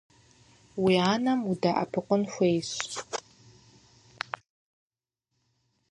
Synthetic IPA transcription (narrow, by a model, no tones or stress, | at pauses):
wiaːnɐmudaʔɐ̰pʰɨqʷʊnxʷejɕ